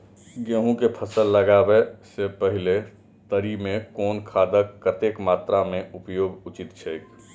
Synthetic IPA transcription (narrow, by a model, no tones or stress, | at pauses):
ɡeːɦũkepʰəsəlːəɡabɛsepəɦɪle | t̪əɾimẽkɔːnkʰaːd̪əkːət̪eːkmaːt̪ɾamẽʊpjoːɡʊt͡ʃɪt̪t͡ʃʰejk